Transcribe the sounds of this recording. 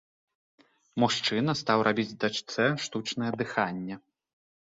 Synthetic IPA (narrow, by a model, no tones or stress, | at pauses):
muʂt͡ʂɨnɐst̪awɾʔabʲid͡zʲd̪at͡ʂt̪sɛʂt̪ut͡ʂnɐjɛd̪ɨxanʲːɛ